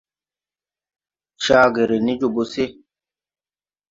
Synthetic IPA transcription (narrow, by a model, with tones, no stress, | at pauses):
ʃa˦˧ɡe˨ɾe˨ni˦d͡ʒo˨bo˨se˦